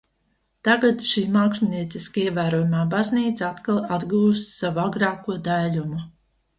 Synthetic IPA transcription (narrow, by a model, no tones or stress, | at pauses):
t̪aɡat̪ʃiːmaːksʲumniɛt̪siskaiɛvæːɾoɔjumaːbazniːt̪sat̪kalˠad̪ɡuːst̪savuaɡɾaːkuɔd̪alumu